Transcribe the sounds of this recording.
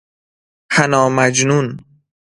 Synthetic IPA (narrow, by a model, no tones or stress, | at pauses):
hʰænɒːmæd͡ʒnun